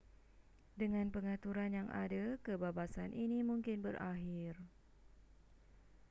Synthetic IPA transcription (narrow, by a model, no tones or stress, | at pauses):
dəŋãnpəŋãt̪uɾanjaŋa̰dakəbabasanʔinimũŋkɪnbəraɦɪr